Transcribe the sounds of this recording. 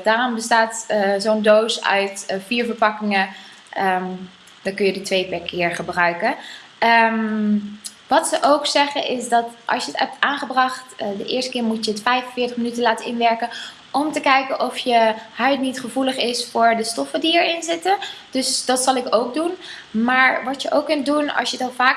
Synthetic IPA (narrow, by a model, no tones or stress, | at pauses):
d̥aːrɔmbəstaːtzondowsœ̰ɥtfiːɹvəɹpɑkɪŋə | ə | d̥ɑŋkɵnjədətʋejpɛɹkʰɪːɹχəbrœɥkə | əm | ʋɑtsəʔowksɛχənʔɪsdɑtʔɑ̰lˠsjəətɦɛp̚taːnχəbrɑχtdəʔɪːɹstə̥kɪːɹmutjəətfɛjfənvɪːɹtəχmənytənlaːtəɪnʋɛɹkən | ʔɔmtəkɛjkənʔɔfjəhœɥtnitχəvuləχɪsfʊːɹdəstɔfədiɛɹɪnzɪtəd̥ɵsd̥ɑtsɑlˠɪkowk̚dunmaːɹʋɑtjəʔowkːɵnt̚dunɑ̰lˠsjədɑnvaːk